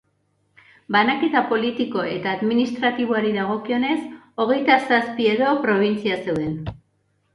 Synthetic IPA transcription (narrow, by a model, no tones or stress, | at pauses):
banaket̪apo̞lit̪iko̞e̞t̪aːðminist̪ɾat̪iβ̞oaɾiðaɣ̞o̞kio̞ne̞s | o̞ɣ̞e̞jt̪asaspie̞ðo̞pɾo̞β̞int͡siase̞wðe̞n